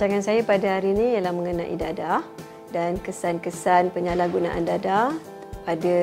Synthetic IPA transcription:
aŋansajapadaɦaɾinĩjalahməŋənaʔḭdada | dankəsankəsanpəɲalaɡunã̰ʔa̰ndada | padə

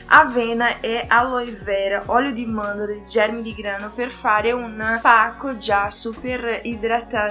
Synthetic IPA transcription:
a̰vɛːnaʔʔɛʔalɔjvɛɾaʔɔljʊd̪imand̪od̪eld͡ʒɛɾmid̪iɡɾaːnoperfaːɾɪunpakːod͡ʒasupeɾid̪ɾat̪ːa

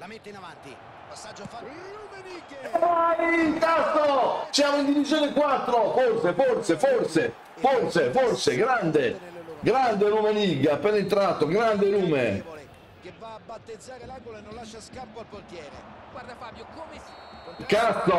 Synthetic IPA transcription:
ajkast̪ːosjaːmoind̪ivitzjoːnekwat̪ːɾoforseforseforse | forseforseɡɾand̪eɡɾand̪eɾumeniɡːaːpːɛnint̪ɾat̪ːoɡɾand̪eɾuːme | kast̪ːo

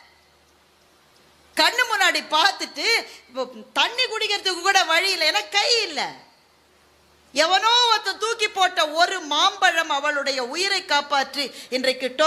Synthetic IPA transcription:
kɐɳːɯmʊnːaːɽipaːɾt̪ɯʈːɯ | t̪ɐɳːikʊɽɪɣɪɾɐt̪ːɯkːɯkːuːɽɐʋɐɻiɪlːɐɛnɐkːɐjɪlːɐ̰ | ɛʋɐnoːʋɐt̪ːɐ̃t̪uːkːipːoːʈːɐɔɾɯmaːmbɐɻɐmɐʋɐɭɯɽɐjɐʊjɪɾɐɪkːaːpaːʈrɯɪndrɐɪkːɯʈːo

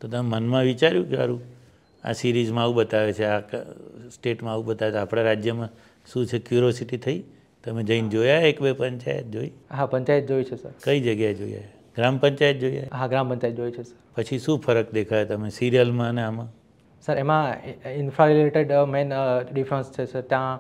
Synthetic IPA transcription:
t̪ot̪əmemənmãʋit͡ʃaɾjũkea̰ɾũ | a̰siɾizmãaʋũbət̪aʋet͡ʃʰeaksʈeʈmãaʋũbət̪aʋeapɽ̃aɾad͡ʒjəmã | ʃũt͡ʃʰekjuɾosiʈit̪ʰəi | t̪əmẽd͡ʒəind͡ʒojaɦeekbepəɲt͡ʃa̰jə̰t̪̚d͡ʒoiɦapə̃ɲt͡ʃajət̪̚d͡ʒojt͡ʃʰesə̰ɾkəid͡ʒəɡjaed͡ʒoja̰ɦe | ɡ̥ɾampəɲt͡ʃajət̪̚d͡ʒoja̰ɦɦaɡɾãmpə̃ɲt͡ʃajt̪̚d͡ʒojt͡ʃʰesəɾpət͡ʃʰiʃũfʰəɾəkd̪ekʰajet̪əmesiɾijəlmãəneamã | səɾemãinfʰaleʈeɖmenɖifɾə̃nst͡ʃʰesəɾt̪jã

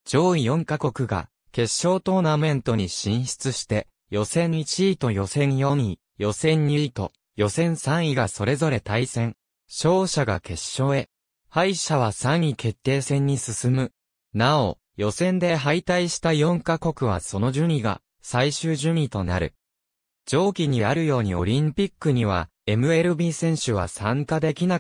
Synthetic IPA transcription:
d͡ʑo̞ːijõ̞ŋkako̞kɯ̟ɡa̰ | ke̞ɕːo̞ːt̪o̞ːnamẽ̞nt̪o̞ɲ̟iɕĩɰ̃ɕi̥t͡sɨɕi̥t̪e̞ | jo̞sẽ̞ɲit͡ɕiːt̪o̞jo̞sẽ̞ɰjo̞ɲ̟i | jo̞sẽ̞ɲ̟ːiit̪o̞̰ | jo̞sẽ̞ɰ̃sãɰ̃iɡaso̞ɾe̞zo̞ɾe̞t̪aisẽ̞ŋ | ɕo̞ːɕaɡa̰kʰe̞ɕːo̞ːe̞ | haiɕaβ̞asãɰ̃ikʰe̞t̪ːe̞ːsẽ̞ɲ̟ːisɨsɨmɯ̟ | nao̞̰ | jo̞sẽ̞nd̪e̞ɦait̪aiɕi̥t̪ajõ̞ŋkako̞kɯ̟βa̰so̞no̞ʑɨɲ̟ʲiɡa̰ | saiɕɨːʑɨmʲit̪o̞na̰ɾɯ̟̰ | d͡ʑo̞ːkʲiɲ̟iaɾɯ̟jo̞ːɲ̟io̞̰ɾʲĩmpʲikːɯ̟ɲ̟iβ̞a̰ | e̞mɯ̟e̞ɾɯ̟bʲiːsẽ̞ɰ̃ɕɨβ̞a̰sãŋkad̪e̞kʲina

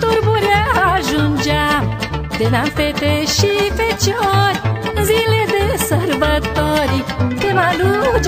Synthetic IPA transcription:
t̪uɾbuɾjaɦaʒũɲd͡ʒamd̪enãmpet̪eʃipet͡ʃɔɾziled̪esɐɾbat̪ɔɾikd̪emalud͡ʒ

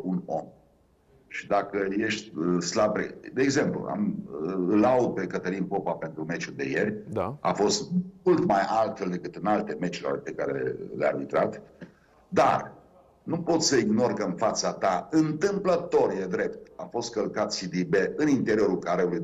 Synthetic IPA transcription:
uno̞m | ʃid̪akəje̞ʃt̪ʲəslabɾḛd̪e̞ːɡze̞mplṵa̰m | laud̪̚pe̞kət̪əlinpo̞pape̞nt̪ɾume̞t͡ʃuld̪e̞je̞rʲd̪aa̰fo̞st̪mult̪majalt̪fe̞ld̪e̞kɨt̪ɨnalt̪e̞me̞t͡ʃilo̰rʲpe̞kaɾeḛlea̰rbit̪ɾat̪ | d̪a̰r | nupo̞t̪ssəiɡno̞rkəɨnfat̪sat̪aɨnt̪ɨmplət̪o̞rjed̪ɾe̞p̚t̪afo̞st̪̚kəlkat̪sid̪ibe̞ɨnint̪e̞ɾio̞ɾulkaɾeuluj

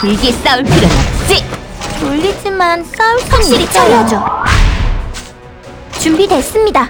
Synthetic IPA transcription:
kɯɭɡes͈auɭpʰiɾjʌna̰t͡ɕ͈itoʎːid͡ʑimans͈auɭpʰaŋ͈iɾit͡ɕ͈aɾiʌd͡ʑo | t͡ɕumbidwe̞s͈ɯmɲida

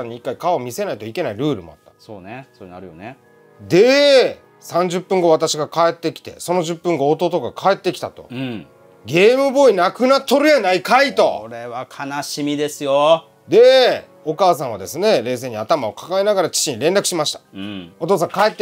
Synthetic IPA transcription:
aɲːiikːaikaomʲise̞nait̪o̞ike̞naiɾɯ̟ːɾɯ̟̰mo̞̰a̰t̪ːḁso̰ːnesoɾena̰ɾɯjo̰ne | d̪e | sãɲ̟d͡ʑɨpːɯ̟̃ŋɡo̞βat̪aɕiɡakae̞t̪ːe̞kʲi̥t̪e̞̰so̞no̞ʑɨpːɯ̟ŋɡoːt̪ot̪o̞ɡakʰae̞t̪ːe̞kʲi̥t̪a̰t̪o̞̰ɯ̃ | ɡʲe̞ːmɯ̟bo̞inakɯ̟nat̪ːo̞ɾɯ̟janaikait̪o̞̰oɾeβakʰanaɕimʲid̪e̞sɨjo | d̪e̞ | o̞kaːsãβad̪e̞sɨne̞ɾe̞ːs̬eːɲ̟iat̪amaokḁkaenaɡaɾat͡ɕi̥t͡ɕiɲ̟iɾẽ̞nd̪akɯ̟ɕimaɕi̥t̪ḁɯ̃o̞t̪oːs̬ãŋkaet̪ːe

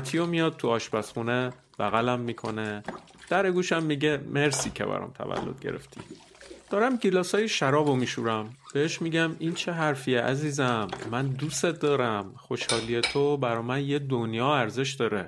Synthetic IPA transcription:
t̪ʰijomijɒːd̪̥̚t̪ʰuɒːʃbæsχune | b̥æɣælæmːiːkʰo̞̰ne | d̪̥æɾeɡuːʃæmːiɟemeɾsiːcʰḛbæ̰ɾɒ̰ːmt̪ʰæ̰væ̰lːod̪̥̚ɟe̞̰ɾe̞̰ft̪ʰḭ | d̪̥ɒːɾæmɟilɒːsɒːjeʃæɾɒːbomiːʃuɾæmb̥eheʃmiːɟæmint͡ʃʰe̞ɦæɾfieʔæziːzæmːænd̪uset̪̚d̪ɒːɾæmχoʃhɒːliet̪ʰobæɾɒːmænjed̪onjɒːæɾze̞ʃd̪ɒːɾe

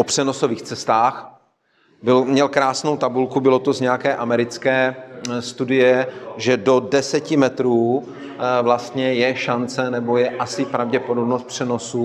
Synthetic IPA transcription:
opr̥ɛno̞soviːxt͡sɛst̪aːx | bɪlmɲɛlkɾaːsno̞wt̪abulkubɪlo̞t̪o̞zɲɛjakɛːʔamɛɾɪt͡skɛːst̪udɪjɛʒɛdo̞dɛsɛcɪmɛt̪ɾuː | vlast̪ɲɛjɛʃant͡sɛnɛbo̞jɛʔasɪpɾavɟɛpodo̞bnost̪̚pr̝̥ɛno̞su

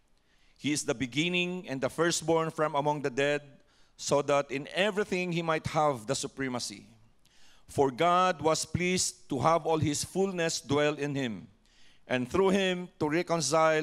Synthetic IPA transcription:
hiɪsd̪ɐbɪɡɪ̃nɪ̃ŋɛ̃nd̪ɐfɛɹst̪̚bɔɹnfɹɔ̃mɐmʌ̃ŋd̪ɐd̪ɛd̪̚ | sod̪at̪ɪ̃nɛvɹiθɪ̃ŋhimajt̪̚havd̪ɐsʊpɹɛmɐsḭ | fɔɹɡad̪̚wʌsplist̪uɦavɔlhɪsfulnɛsd̪wɛld̪ɪ̃nhɪ̃m | ʔɛ̃nθɹuhɪ̃mt̪uɹɛkɔ̃ns̬aɪ

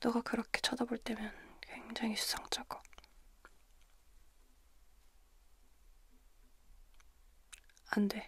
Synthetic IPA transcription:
t͈oɡakɯɾʌkʰet͡ɕʰʌdaboɭt͈e̞mjʌnkwe̞ŋd͡ʑaŋiɕʰu̥sʰʌŋt͡ɕ͈ʰaɡo̥ | ande̞

